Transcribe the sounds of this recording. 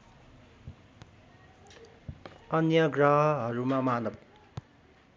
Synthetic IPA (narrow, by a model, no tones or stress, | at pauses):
ʌnjʌɡrʌɦʌɦʌɾumamanʌb̚